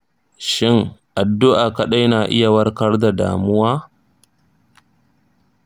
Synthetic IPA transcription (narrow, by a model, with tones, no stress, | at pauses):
ʃɪ˦ŋʔa˨dːʊ˦ʔaː˨kɐ˦ɗa˦jnaː˨ʔɪ̰˦ja˨wɐ˦rkɐ˦rda˨da̰ː˨mʊ˦waː˦